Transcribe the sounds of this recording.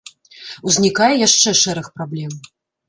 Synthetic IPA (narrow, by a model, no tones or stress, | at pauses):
uzʲnʲikajɛjaʂt͡ʂɛʂɛɾɨxpɾablʲɛm